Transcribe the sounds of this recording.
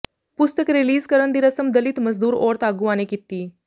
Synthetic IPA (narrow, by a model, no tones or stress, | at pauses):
pust̪əkɾiliːzkəɾəɳd̪iɾəsəmd̪əlit̪məzd̪uːɾoɾt̪aɡuʋanekit̪ːiː